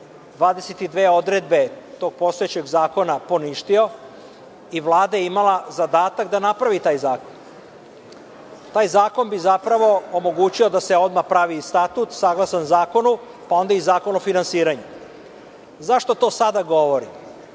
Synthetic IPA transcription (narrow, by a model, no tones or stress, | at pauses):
d̪ʋaːd̪e̞set̪id̪ʋeːod̪ɾed̪̚be̞t̪o̞ːɡ̥̚po̞st̪ojet͡ɕe̞ɡzaːko̞napo̞niʃt̪io̞ | iʋlˠaːd̪ajeimalazad̪aːt̪akd̪anapɾaʋit̪aːjzaːko̞n | t̪aːjzaːko̞nbizapɾaʋo̞omo̞ɡut͡ɕio̞d̪aseo̞d̪mapɾaʋist̪at̪ut̪saɡlˠasanzaːko̞nu | pao̞nd̪aizaːko̞nofinansiːɾaɲu | zaʃt̪o̞t̪o̞ːsad̪aɡo̞ʋo̞ɾi